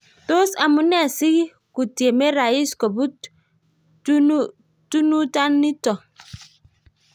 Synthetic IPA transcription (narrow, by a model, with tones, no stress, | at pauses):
to˦sa˨mu˨nɛ˦˨si˦ɡi˦ | ku˨ti˨e˨me˦ɾa˨i˦skɔ˨bu˦ | tu˦nu˦ta˦nːi˦tɔ˨